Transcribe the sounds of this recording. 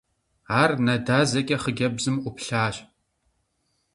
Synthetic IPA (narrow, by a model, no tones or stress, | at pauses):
aːrnɐdaːzɐkʲʼɐχəɡʲɐbzɨmʔʷʊpɬaːɕ